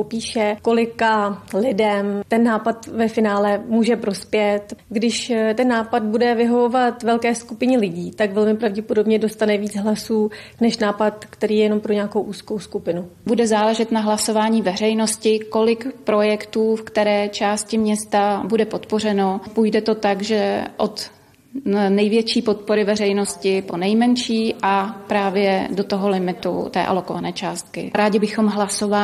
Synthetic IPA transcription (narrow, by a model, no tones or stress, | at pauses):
popiːʃɛko̞lɪkalɪdɛmt̪ɛnːaːpat̪vɛfɪnaːlɛmuːʒɛpɾo̞spjɛt̪ɡdɪʃt̪ɛnːaːpad̪̚budɛvɪɦo̞vo̞vat̪vɛlkɛːskupɪɲɛlɪɟiːt̪akvɛlmɪpɾavɟɛpodo̞bɲɛdo̞st̪anɛviːd͡zɦlasuːnɛʃnaːpat̪kt̪ɛɾiːɛjɛno̞mpɾoɲɛakowʔuːskowskupɪnubudɛzaːlɛʒɛt̪naɦlaso̞vaːɲiːvɛr̝ɛjno̞scɪko̞lɪkpɾo̞jɛkt̪uːfkt̪ɛɾɛːt͡ʃaːscɪmɲɛst̪abudɛpo̞t̪po̞r̝ɛnopujdɛt̪o̞t̪aɡʒɛʔo̞t̪ | nɛjvjɛt͡ʃiːpo̞t̪̚po̞ɾɪvɛrɛjno̞scɪpo̞nɛjmɛnʃiːʔapɾaːvjɛdo̞t̪o̞ɦo̞lɪmɪt̪ṵt̪ɛ̰ːʔa̰lo̞ko̞vanɛːt͡ʃaːst̪̚kɪ̰ɾaːɟɪbɪxo̞mɦlasova